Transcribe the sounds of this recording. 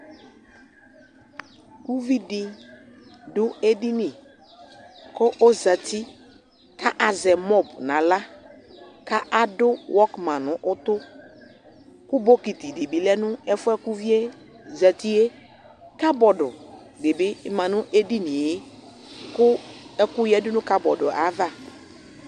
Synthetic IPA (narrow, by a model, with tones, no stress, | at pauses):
ku˦vi˦dɪ˨ | dʊ˦e˦di˦ni˨ | kʊ˦ʔo˦za˨tʰi˦ | ka˦ʔa˨zɛ˨mɔ˦˨bnã˨la˦ | ka˦ʔa˨dʊ˦wʔɔ˦kmã˨nʊ̃˨ʔʊ˦t̪ʊ˦ | kʊ˦bo˦ki˨ti˨dɪ˨bi˨lɛ˦nʊ̃˦ɛ˦fʊ˦ɛ˦ku˦vi˦e˦ | za˨ti˦e˦ | ka˦bɔ˨dʊ˨ | dɪ˨bɪ˦mã˨nʊ̃˦ʔe˦di˦ni˨e˦ | kʊ˦ɛ˦kʊ˦jɛ˦dʊ˦nʊ̃˦ka˦bɔ˨dʊ˨ʔa˨˦va˦˨